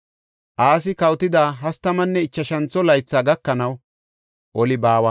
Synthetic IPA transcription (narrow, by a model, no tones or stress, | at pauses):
ʔaːs̬ɪkɐwt̪ɪd̪aːɦɐst̪ːɐmɐnːɛɪt͡ʃːɐʃɐnt͡sːɔlɐjt͡sːaːɡɐkːɐnɐw | ʔɔlɪbaːwɐ